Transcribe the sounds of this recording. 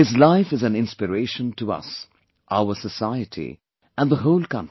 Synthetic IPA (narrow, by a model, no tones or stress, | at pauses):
ɪzlaɪfɨzæ̃nɪ̃nspɨɾeɪʃə̃ntʰuʌ̰s | ʔa̰ʊəsəsaɪətʰḭ | æ̃nðəɦoʊlkʌ̃nti